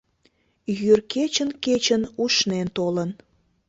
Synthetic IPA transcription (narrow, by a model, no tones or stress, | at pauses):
jyrket͡ɕənket͡ɕənuʃnent̪olən